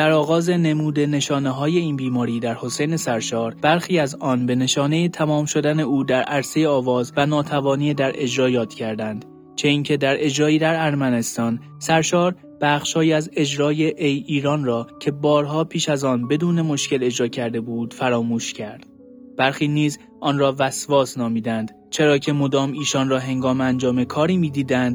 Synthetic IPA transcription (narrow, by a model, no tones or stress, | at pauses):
d̪̥æɾɒːɣɒːze̞ne̞muːd̪e̞ne̞ʃɒːne̞ɦɒːje̞iːnbiːmɒːɾiːd̪æɾho̞se̞jne̞sæɾʃɒːɾb̥æɾxiːæzɒːnbe̞ne̞ʃɒːne̞jet̪ʰæmɒːmʃo̞d̪æne̞uːd̪æɾʔæɾse̞jeɒːvɒːzvænɒːt̪ʰævɒːniːed̪æɾʔe̞d͡ʒɾɒːjɒːt̪cʰæɾd̪ænd̪̥ | t͡ʃʰeiːncʰe̞d̪æɾʔe̞d͡ʒɾɒːiːd̪æɾæɾmæne̞st̪ɒːn | sæɾʃɒːɾ | b̥æχʃhɒːjiːæze̞d͡ʒɾɒːje̞ʔejiːɾɒːnrɒːcʰe̞bɒːɾɦɒːpʰiːʃæzɒːnbe̞d̪uːne̞mo̞ʃce̞le̞d͡ʒɾɒːcʰæɾd̪e̞buːd̪̥fæɾɒːmuːʃcʰæɾd̪̥ | b̥æɾxiːniːz | ʔɒːnrɒːvæsvɒːsnɒːmiːd̪ænd̪ | t͡ʃʰe̞ɾɒːcʰe̞mo̞d̪ɒːmiːʃɒnrɒːɦe̞ŋɡɒːmeænd͡ʒɒːmekʰɒːɾiːmiːd̪iːd̪ænd̪